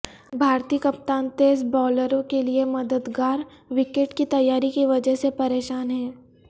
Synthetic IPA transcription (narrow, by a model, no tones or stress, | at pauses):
bʱaːɾt̪iːkɐp̚t̪aːnt̪eːsbɔːləɾõkeliemɐd̪əd̪ɡaːɾʋɪkeʈkit̪ɐjːaːɾikiʋɐd͡ʒəɦsepɐɾeːʃaːnɦɛː